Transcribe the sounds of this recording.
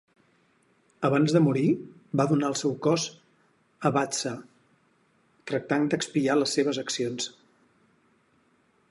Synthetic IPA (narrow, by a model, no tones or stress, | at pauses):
əβanzðəmuɾibaðunaəlˠsɛwkɔz | əβat͡sə | t̪ɾək̚t̪aŋd̪əkspialəsːeβ̞əzəksions